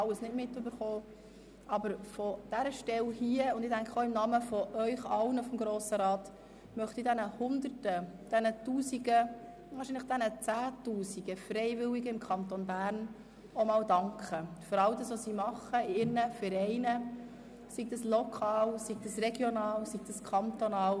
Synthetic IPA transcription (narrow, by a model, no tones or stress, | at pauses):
ɑlːəsnɪtmɪtːʏbəɾχoː | ʔɑbəɾfɔd̥æɾəʃtɛlhiːəʊnd̪ɪdæŋkʰəoɪmnɑːməfɔʔœʏχɑlnəfɔmɡɾoːsəɾɑːt | mœχt̪idɛnəhʊndərtəd̥ɛnətuːsiɡə | vɑːɾʃinləχd̥ɛnət͡sæːtuːsiɡəfrɛɪvɪwiɡəɪmkʰɑnt̪onbæːɾn | omɑːwdɑŋkʰχəfʏɾɑldɑsʋosiːmɑχəɪɾnəfəɾɛɪnə | siɡ̚dɑslɔkʰɑːlsiɡd̥ɑsreɡjonɑːlsiɡ̥̚d̥ɑskʰɑnt̪onɑːl